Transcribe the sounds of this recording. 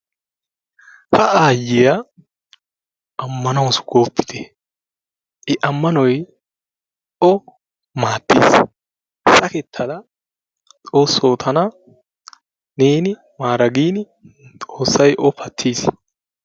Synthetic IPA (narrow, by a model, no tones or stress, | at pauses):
hɐʔaːjːɪja | ʔɐmːɐnɐwsʊ̥ɡ̥oːpʰːɪ̥t̪ɛ | ʔɪʔɐmːɐnɔj | ɔ | maːt̪ːḭːs | sɐkɛt̪ʰːɐd̪ɐ | t̪ʼo̞ːsːoːt̪ʰɐnɐ | neːnɪ | maːɾɐɡiːn | t̪ʼo̞ːsːɐjʔɔpʰɐt̪ʰːiːs